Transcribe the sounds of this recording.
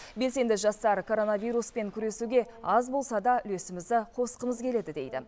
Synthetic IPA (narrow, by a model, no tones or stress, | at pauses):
be̞lse̞nd̪ɪʒɑst̪ɑɾkʰo̞ɾo̞navijɾuspe̞ŋkʲʰʏɾe̞suɡʲe̞ɑzbo̞lˠsɑd̪ɑʏ̰le̞sɪmɪzd̪ɪqʰo̞sqəməzkʲʰe̞le̞d̪ɪd̪e̞̰jd̪ɪ̰